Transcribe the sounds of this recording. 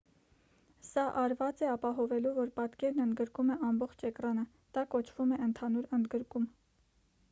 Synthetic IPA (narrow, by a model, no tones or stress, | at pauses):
sɑʔɑɾvɑt͡sɛɑpɑɦɔvɛluvɔɾpɑt̪kɛɾnənd̪ɡəɾkumɛʔɑmbɔχt͡ʃʰɛkrɑnə | d̪̥ɑkɔt͡ʃʰv̥umɛənt̪ʰɑnuɾənd̪ɡəɾkum